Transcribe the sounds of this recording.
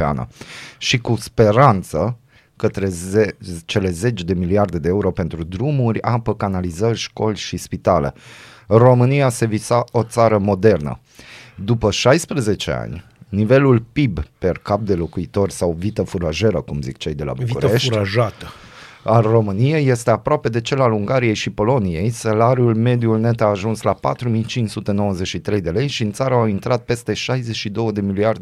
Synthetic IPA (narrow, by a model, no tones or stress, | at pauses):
ea̰nə̰ʃikuspe̞ɾant̪sə | kət̪ɾe̞et͡ʃe̞le̞ze̞t͡ʃd̪e̞miliard̪e̞d̪e̞euɾo̞pe̞nt̪ɾud̪ɾumurʲapəkanalizərʲʃko̞lʲʃispit̪ale̞̰ | ro̞mɨniase̞visao̞t̪saɾəmo̞d̪e̞rnə̰ | d̪upəʃajspɾəze̞t͡ʃe̞̰a̰nʲ | nive̞lulpibperkap̚d̪e̞lo̞kuit̪o̞rʲsawvit̪əfuɾaʒe̞ɾəkumzikt͡ʃejd̪e̞lʔa̰buiuɾeʃuɾʲaʒat̪ə | aro̞mɨnieje̞st̪e̞apɾoape̞d̪e̞t͡ʃe̞laluŋɡaɾije̞jʃipo̞lo̞nije̞jsalaɾiulme̞d̪iulne̞t̪aːʒunslapa̰t̪ɾumijt͡ʃint͡ʃsut̪e̞no̞wəzeʃit̪ɾe̞jd̪e̞le̞jʃiɨnt̪saɾəawint̪ɾat̪̚pe̞st̪e̞ʃajzeʃid̪o̞wəd̪e̞miliard̪